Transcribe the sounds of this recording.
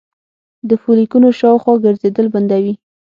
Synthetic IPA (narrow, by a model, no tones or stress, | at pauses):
d̪əfulikunoʃɑwxwɑɡəɾzed̪əlband̪awi